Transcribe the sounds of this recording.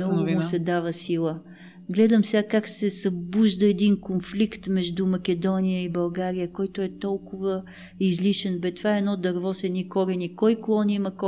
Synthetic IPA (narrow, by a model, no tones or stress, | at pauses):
ɡɡʊsɛd̪avəsilˠə | ɡlɛd̪əmsɛɡakaksɛsɐbuʒd̪əɛd̪inkonflikt̪mɛʒd̪umɐkɛd̪ɔnijəibɐlˠɡaɾijəkɔjt̪oɛt̪ɔlˠkʊvə | izliʃɛnbɛt̪vaɛɛnɔd̪ɐɾvɔsɛnikɔɾɛnikɔjklˠɔnimɐkɔ